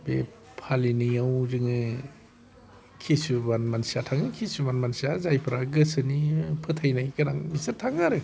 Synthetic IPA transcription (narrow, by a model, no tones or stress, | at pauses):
bḛ | pʰalinijawzɯŋɯ | kʰisubanmansiatʰaŋɯkʰisubanmansiazajpʰɯɾaɡɯsɯnipʰɯtʰajnajkɯnaŋmisɯɾtʰaŋaɾɯ